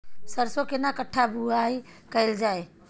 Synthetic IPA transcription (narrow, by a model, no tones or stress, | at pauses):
sɐɾsokɪnakɐʈʰabʱuaːikɐɪld͡ʒaːeː